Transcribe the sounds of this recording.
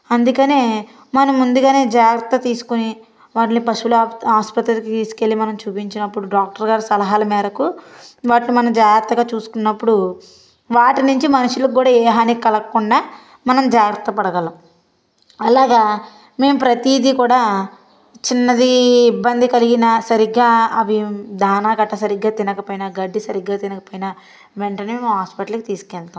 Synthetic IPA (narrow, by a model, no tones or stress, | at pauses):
ɐnd̪ukɐneː | mɐnɐmːund̪uɡaːne̞ːd͡ʒaːɡɾɐt̪ːɐt̪iːsu̥kuni | ʋaːʈnipɐʂulaaːspɐt̪ɾɐlkit̪iːsi̥ke̞lːimɐnɐmt͡ʃuːpiɲt͡ʃinɐpːuɽuɖaːk̚ʈɐɾɡaːɾisɐlɐɦaːlɐmɛːɾɐkuʋaːʈlumɐnɐmd͡ʒaːɡɾɐt̪ːɐɡaːt͡ʃuːsu̥kunːɐpːuɽu | ʋaːʈinuɲt͡ʃimɐnuʂulɐkːuːɽaːeːɦaːnikikɐlɐkːuɳɖaː | mɐnɐmd͡ʒaːɡɾɐt̪ɐpɐɽɐɡɐlɐ | ɐlaːɡaː | me̞ːmupɾɐt̪iːd̪ikuːɽaː | t͡ʃinːɐd̪iːbːɐnd̪ikɐliɡinɐsɐɾiɡːaːɐʋid̪ʱaːnaːɡɐʈːɐsɐɾiɡaːt̪inɐkɐpoːjinɐɡɐɖːisɐɾiɡːaːt̪inɐkɐpoːjinɐ | ʋeɳʈɐnemeːmumɦaːspiʈɐlkit̪iːsu̥kɛːɭt̪aːm